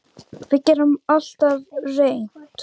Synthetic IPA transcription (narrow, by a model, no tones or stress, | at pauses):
fɪcɛɾamal̥t̪avrejn̥t̪